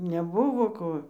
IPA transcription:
nʲɛˈbʊʋoː ˈkoː

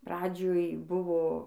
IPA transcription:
ˈprɑːd͡ʒʲoːj ˈbʊʋoː

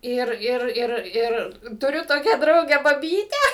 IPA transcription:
ˈɪr ˈɪr ˈɪr ˈɪr tʊˈrʲʊ ˈtoːkʲæː ˈdrɐʊɡʲæː bɐˈbʲiːtʲæː

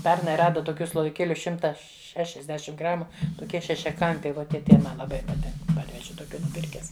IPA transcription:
ˈpʲɛrnɐɪ ˈrɑːdɐ toːˈkʲuː slˠoːʋʲɪˈkʲeːlʲʊ ˈʃʲɪmtɐ ʃʲɛʃʲɛzʲˈdʲæːʃʲɪm ˈɡrɑːmʊ toːˈkʲiɛ ʃʲɛʃʲɛˈkɐmʲpʲɛɪ ˈʋoː tʲiɛ ˈtɐɪ ˈmɐ lˠɐˈbɐɪ pɐˈtʲɪŋk ˈpɐrʲʋʲɛʒʲɪ toːˈkʲuː nʊˈpʲɪrʲkʲɛs

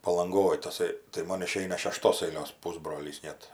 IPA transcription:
pɐlˠɐŋˈɡoːj tɐˈsɐɪ tɐɪ ˈmoːn ɪˈʃʲɛɪnɐ ʃʲɛˈʃtoːs ɐɪˈlʲoːs ˈpʊzbroːlʲiːs ˈnʲɛt

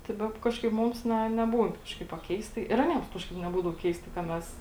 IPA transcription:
tɐɪ ˈbʲɛp ˈkɑːʃkɐɪp ˈmʊms ˈnʲɛ nʲɛˈbuːn ˈkɑːʃkɐɪp ɐ ˈkʲɛɪstɐɪ ɪr ɐˈnʲiɛms ˈkɑːʃkɐɪp nʲɛˈbuːdɐʋoː ˈkʲɛɪstɐɪ kɐ ˈmʲɛs

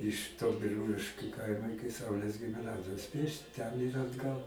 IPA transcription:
ɪʃ toː bʲɪˈruːlʲɪʃʲkʲʊ ˈkɐɪmɐ ˈɪkʲɪ ˈsɐʊlʲeːs ɡʲɪmʲɪˈnɑːzʲɪjoːs ˈpʲiɛʃʲtʲɪ tʲɛn ɪr ɐdˈɡɐlˠ

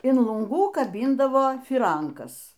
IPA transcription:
ɪn lˠʊŋˈɡuː kɐˈbʲɪndɐʋoː fʲiːˈrɐŋkɐs

